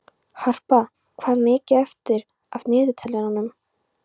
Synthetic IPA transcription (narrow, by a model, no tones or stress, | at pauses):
har̥pa | kʰvaːðmɪːcɪɛft̪ɪɾ | avnɪːðʏt̪ʰɛlɛɣanʏm